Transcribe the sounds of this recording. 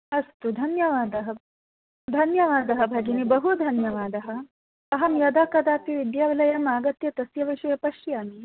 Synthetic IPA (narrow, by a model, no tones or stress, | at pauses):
ɐst̪ud̪ʱɐnjɐʋaːd̪ɐɦɐ̆ | d̪ʱɐnjɐʋaːd̪ɐɦɐ̆bʱɐɡinibɐɦud̪ʱɐnjɐʋaːd̪ɐɦɐ̆ | ɐɦɐmjɐd̪aːkɐd̪aːp̪iʋid̪jaːʋilɐjɐmaːɡɐt̪jɐt̪ɐsjɐʋiʃɐjɐpɐʃjaːmi